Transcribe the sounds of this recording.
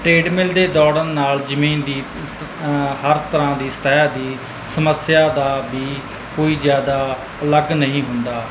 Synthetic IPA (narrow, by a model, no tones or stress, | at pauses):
ʈɾeːɖmɪld̪eːd̪ɔːɽəɾnaːld͡ʒəmĩːnd̪iː | həɾt̪əɾãːd̪iːsə̥t̪ɛɦɛd̪iː | səməsɪjaːd̪aːbiː | koːiːzjaːd̪aː | ələɡnəɦĩːɦʊnd̪aː